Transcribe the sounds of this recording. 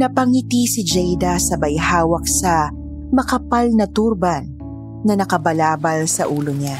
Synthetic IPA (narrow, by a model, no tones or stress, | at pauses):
nɐpɐŋɪt̪isɪd͡ʒɛjd̪ɐsɐbɐjhaːwɐk̚sɐ | mɐkɐpalnɐt̪uɾbanː | ɐnɐkɐbɐlaːbɐlsɐ̰ʔuːloɲa